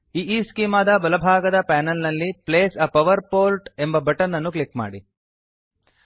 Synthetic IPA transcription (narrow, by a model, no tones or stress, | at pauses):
iːʔiːskiːmaːd̪ɐbɐlɐbʱaːɡɐd̪ɐpæːnɐlnɐlːipleːsɐpɐʋɐɾpoːlʈe̞mbɐbɐʈɐnːɐnːuklikma̰ːɽi